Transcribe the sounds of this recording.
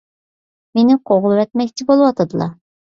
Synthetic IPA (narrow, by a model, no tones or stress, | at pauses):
menɪqʰoʁlˠɨwɛt̪̚mɛkʲt͡ʃʰɪbolˠɨwɑt̪ʰəd̪ɨlˠɑ̰